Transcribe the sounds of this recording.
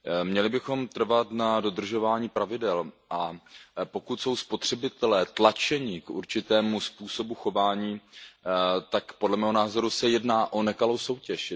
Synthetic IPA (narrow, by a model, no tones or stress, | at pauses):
mɲɛlɪbɪxo̞mt̪r̩vat̪nado̞d̪r̩ʒo̞vaːɲiːpɾavɪdɛlʔapo̞kut̪so̞wspo̞t̪r̝̥ɛbɪt̪ɛlɛːt̪lat͡ʃɛɲɪkʔṵɾt͡ʃɪt̪ɛːmuspuːso̞buxo̞vaːɲiː | t̪akpo̞dlɛmɛːɦo̞naːzo̞ɾusɛjɛdnaːʔo̞nɛkalo̞wso̞wcɛʃ